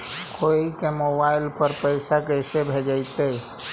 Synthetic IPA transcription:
kʰoikemobaɪlpəɾpəɪsakəjsebʱed͡ʒaɪt̪e

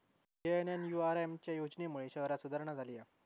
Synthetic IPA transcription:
eənjanjuaɾemt͡ɕjajod͡ʑnemuɭeɕəɦɾasud̪ʱəɾɳəd͡zʱalia

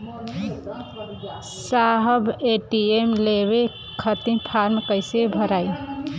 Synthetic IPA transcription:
saɦəbeʈiemleβe | kʰət̪ĩpʰaɾmkəɪsebʱəɾai

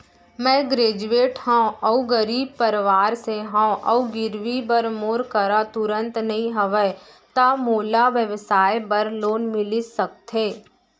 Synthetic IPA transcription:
mɛ̃ːɡɾeːd͡ʒueːʈhãɔuɡəɾiːb̚pɐɾʋaːɾseɦãʔɐuɡɪɾʋibəɾmoːɾkəɾat̪ʊɾə̃nt̪nɐɦĩɦɐʋɛ | t̪amoːlaʋjəʋsaːjbɐɾloːnmɪlisɐk̚t̪ɦeː

